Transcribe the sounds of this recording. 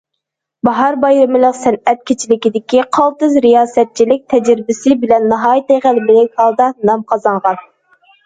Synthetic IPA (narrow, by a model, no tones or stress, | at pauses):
bɑɦɑɾbɑjɾɪmɪlˠəqsɛnɛt̪̚kʲʰet͡ʃʰilɪkʲid̪ɪkʲiqʰɑlˠt̪ɨzɾijɑːsɛt̪̚t͡ʃʰilɪk̚ʲt̪ʰɛd͡ʒɾɪbɪsɪbɪlɛnːɑɦɑːjt̪eʁælɪmɪlɪkʲhɑlˠd̪ɑnɑmqʰɑzɑɴʁɑn